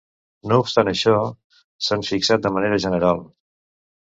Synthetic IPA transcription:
noupst̪anəʃɔ | saɱfiksat̪̚d̪əməneɾəʒənəɾalˠ

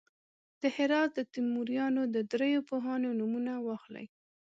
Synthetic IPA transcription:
d̪̥əhɪɾɑt̪̚d̪ət̪imːuɾjɑnod̪əd̪ɾejopoɦɑnonumunawɑxla̰j

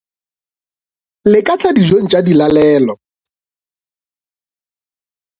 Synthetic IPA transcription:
lɪkʼat͡ɬʰadizoŋ̩t͡ʃʼadilalɛːlɔ

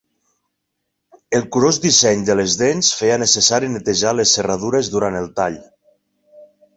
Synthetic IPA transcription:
elˠkuɾozðisɛɲd̪əlezðensfejanəsesaɾinet̪eʒalesːerað̞uɾezðuɾant̪elˠt̪aʎ

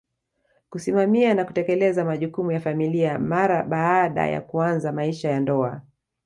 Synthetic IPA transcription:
kusimamianakutɛkɛlɛzamaʄukumujafamiliamaɾaɓaɗa̰ja̰kuanzamaiʃajandɔa

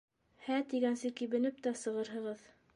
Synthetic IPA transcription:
hæt̪iɡænsɘkiβɘ̆nɘp̚t̪æsɤ̆ʁɤɾɦɤ̆ʁɤð

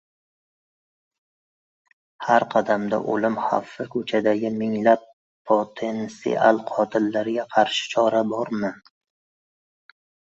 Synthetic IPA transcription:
haɾqʰɑd̪amd̪a̰ʔolɪmha̰fːɪkʰɵt͡ʃʰad̪aɡʲɪmɪŋlapʰː | ot̪ʰensḭʔa̰lˠqʰɒt̪ʰɪlːaɾɡʲaqʰɑɾʃɪ̥t͡ʃʰɒɾabɒɾmɪ

